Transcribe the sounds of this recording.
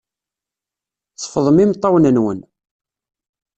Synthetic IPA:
θə̥fəðˤəmimt̪ˤːɑwnənwə̰n

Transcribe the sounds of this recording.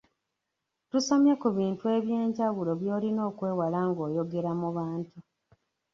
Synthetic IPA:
tusamjakuβiːntue̞βjeːɲɟaɣulo̞βjo̞ːlino̞ːkwe̞ːwalaŋɡo̞ːjo̞ɡe̞ɾamuβaːntu

